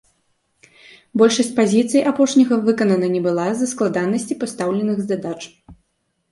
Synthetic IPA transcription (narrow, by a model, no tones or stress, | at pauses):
bɔlʲʂɐsʲt͡sʲpazʲit̪sɨjʔapɔʂnʲɐɣɐvɨkɐnɐnɐnʲɛbɨlˠazɐsklˠad̪anːɐsʲt͡sʲipast̪awlʲɛnɨɣzd̪ad̪at͡ʂ